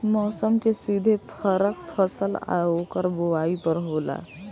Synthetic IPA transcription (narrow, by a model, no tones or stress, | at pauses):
mɔːsəmkesiːd̪ʱepʰəɾək̚pʰəsəla̰okəɾboaːipəɾɦoːla̰ː